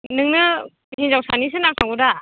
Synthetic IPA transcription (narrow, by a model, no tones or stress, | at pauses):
nɯŋnɯ | hinzawsanis̬ɯnaŋtʰaɡuda